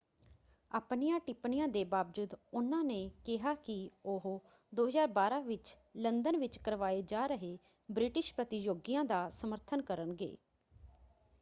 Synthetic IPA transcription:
aːpnijãːʈɪpɳijãːd̪eːbaːbd͡ʒʊd̪ʊnãːneːkɪɦaːkɪʊɦ | d̪oːɦəzaːɾbaːɾãːʋɪt͡ʃ | lənd̪ənʋɪt͡ʃkəɾʋaːeːd͡ʒaːɾəɦeː | bɾɪʈɪʃpɾət̪ɪjoːɡijãːd̪aːsəməɾt̪ʰənkəɾənɡḛː

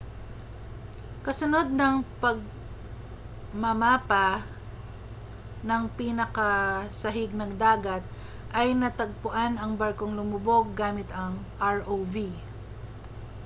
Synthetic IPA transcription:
kɐsʊno̞d̪̚nɐŋpɐɡ̚ | mɐmaːpɐ | nɐŋpiːnɐkɐsɐɦɪɡ̚nɐŋd̪aːɡɐt̪̚ | ʔɐjnɐt̪ɐɡ̚pʊʔanɐŋbɐɾkoŋlʊmʊbo̞ɡ̚ːaːmɪt̪ɐŋʔaɹʔowvi

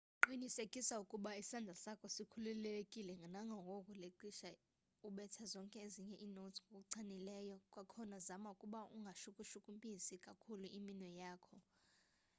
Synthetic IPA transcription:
ǃinisekʼisaukʼuɓaisandʱasakʼɔsikʰululekʼilɛŋɡʱanaŋɡʱawʱɔkʼuleǃiʃa | uɓɛtʰazɔŋkʼɛeziɲɛʔiːnotʰŋɡʱok̬ʼuǀʰanilɛːjɔkʼwakʰɔnazamaukʼuɓaʔṵŋɡʱaʃukʼuʃukʼumpʼisikʼakʰuluʔiminwɛjaːkʰɔ

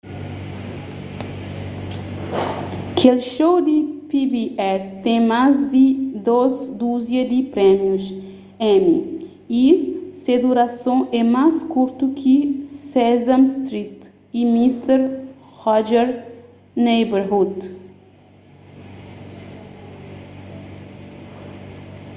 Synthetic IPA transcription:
kelʃowd̪ipibiɛst̪ẽj̃mazd̪id̪ozd̪uzjɐd̪ipɾɛmjus | ɛ̃mḭ | ised̪uɾasõʔɛmajskuɾt̪ukʰisɛzãmst̪ɾit̪ | imist̪eɾ | hɔd͡ʒɛɾ | nejbeɾhud̪

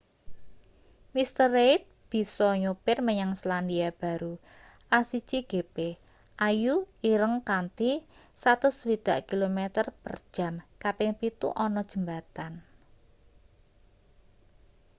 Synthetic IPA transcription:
mist̪əreɪt̪̚b̥i̤sɔɲupɪrməɲaŋsland̪iab̥a̤ɾu | ʔasid̥t͡ʃiɡ̥e̤pe | ʔajuiɾəŋkant̪i | sat̪ʊswid̪̥a̤ʔkilomet̪ərpə̰rd̥ʒ̥a̤mkapɪŋpit̪ṵʔɔnɔd̥ʒ̥ə̤mbat̪an

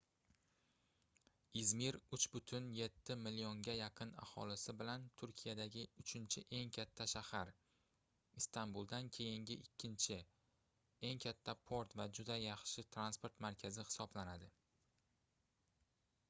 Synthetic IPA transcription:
izmiɾʊt͡ʃbʊt̪ʰʊnje̞t̪ʰːɪmɪlioŋɡʲajɑqʰɨna̰hɒ̰lɪsɪbɪlant̪ʰʊɾkʲʰijad̪aɡʲɪʊt͡ʃʰɪnt͡ʃʰɪʔe̞ŋkʲʰat̪ʰːaʃahaɾ | ɪst̪ʰanbulˠd̪ankʲʰe̞jɪŋɡʲɪʔɪkʲʰːɪnt͡ʃʰɪ | e̞ŋkʲʰat̪ʰːapʰo̞ɾt̪vad͡ʒʊd̪ajɑχʃɪt̪ʰɾanspo̞ɾt̪maɾkʲʰazɪxɪ̥sɒblanad̪ɪ

